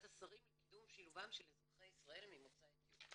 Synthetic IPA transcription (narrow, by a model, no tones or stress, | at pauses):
tasaʁimlekidumʃiluvamʃelezʁaχejisʁae̞lmimot͡saeɡju